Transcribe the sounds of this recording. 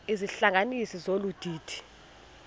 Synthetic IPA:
iziɬaŋanisizolud̥ʱiːd̥ʰʱi̥

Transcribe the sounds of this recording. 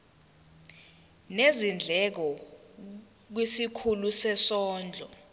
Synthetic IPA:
nezind͡ɮʱɛk̬ɔ | k̬wisikʰulusɛsɔːnd͡ɮʱɔ

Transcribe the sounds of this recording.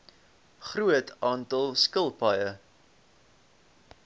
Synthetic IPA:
χruətʰɑːntɐlˠskəlˠpɐjə

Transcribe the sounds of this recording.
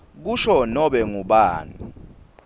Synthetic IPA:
k̬uʃɔnɔɓɛŋuɓaːnṵ

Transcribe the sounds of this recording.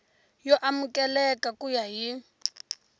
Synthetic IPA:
jɔʔamukʼɛlɛkʼakʼujaɦi

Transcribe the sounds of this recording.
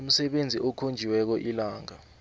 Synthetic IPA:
um̩sɛɓend͡zʱiʔɔkʰond͡ʒʱiwɛk̬ɔʔilaːŋa

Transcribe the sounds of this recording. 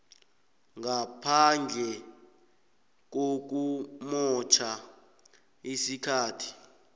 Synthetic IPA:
ŋapʰand͡ɮʱɛ | k̬ok̬umɔt͡ʃʰa | isikʰaːtʰi̥

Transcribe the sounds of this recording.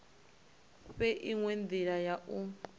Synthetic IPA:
ɸɛʔiŋwend̪iɺajaʔu

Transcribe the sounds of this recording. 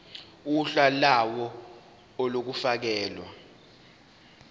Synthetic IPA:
uɬalawɔ | ɔlok̬ufak̬ɛːlwa̰

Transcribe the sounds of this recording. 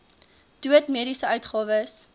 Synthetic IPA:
d̥uətmiəɾisəœɥtχɑːvəs

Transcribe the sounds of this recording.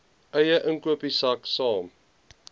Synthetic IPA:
ʔəjəʔəŋkuəpisaksɑːm

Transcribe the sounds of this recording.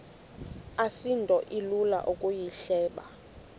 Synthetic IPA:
asintʼɔʔilula̰ʔukʼujiɬɛːɓa̰

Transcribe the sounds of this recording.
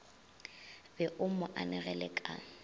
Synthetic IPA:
bɛʔʊmɔʔanɛɣɛlɛkʼa̰

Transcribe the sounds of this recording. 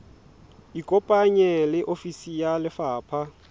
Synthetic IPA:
ikʼɔpʼaɲɛlɪʔofisijalɪfaːpʰa

